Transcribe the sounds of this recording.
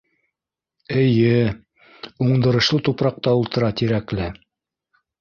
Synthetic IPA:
ɘ̆jɘ | uɴd̪ɤ̆ɾɤ̆ʃlˠɤt̪upɾɑq̚t̪ɑulˠt̪ɤ̆ɾɑt̪iɾæklɘ

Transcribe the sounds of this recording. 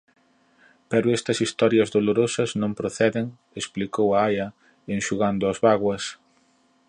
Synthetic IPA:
pɛɾʊɛst̪ɐsist̪ɔɾjɐzðoloɾosɐznõmpɾoθɛðeŋ | esplikowɐajɐ | enʃuɣand̪ʊɐzβaɣwɐs

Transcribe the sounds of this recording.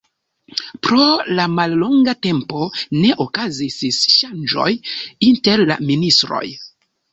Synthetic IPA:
pɾo̞lamalːoŋɡate̞mpo̞ne̞ʔokazisisʃand͡ʒo̞̰jinte̞ɾla̰ministɾo̞̰j

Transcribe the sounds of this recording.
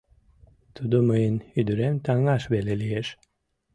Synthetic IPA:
t̪ʰud̪umɯjɯnhyd̪yɾɛmt̪ʰaŋɡaʃbelʲelijeɾ̥

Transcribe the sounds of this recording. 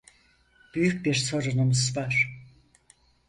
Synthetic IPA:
b̥yjyc̚biɾso̞ɾunumuzvaɾ̥

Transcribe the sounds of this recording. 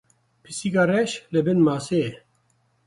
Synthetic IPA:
pʰisiɡɑːrɛʃlɨbɨnmɑːse

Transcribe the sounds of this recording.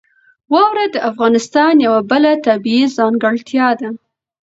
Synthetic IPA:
wɑwɾad̪əʔafɣɑnɪst̪ɑnjawabəlat̪abiizɑŋɡəɽt̪jɑd̪a

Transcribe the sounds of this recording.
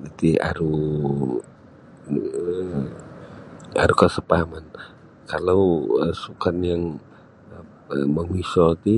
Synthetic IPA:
d͡ʒit̪ia̰ɾu | a̰ɾukəsəpaman | kalawsukanjaŋ | məmisɔt̪i

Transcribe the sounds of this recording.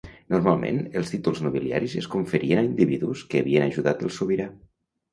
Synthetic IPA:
nuɾmalˠmḛnəlˠst̪it̪ulˠznuβilia̰ɾizeskuɱfəɾʔienaind̪iβiðuskəːβiənaʒuðat̪əlˠsuβiɾa

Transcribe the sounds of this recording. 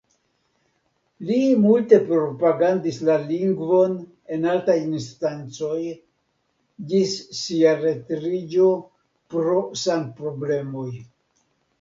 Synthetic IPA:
limulte̞pɾo̞paɡandislaliŋɡvo̞n | e̞naltajinstant͡so̞j | d͡ʒisːiaɾe̞tɾid͡ʒo̞ | pɾo̞sanpɾo̞ble̞mo̞j

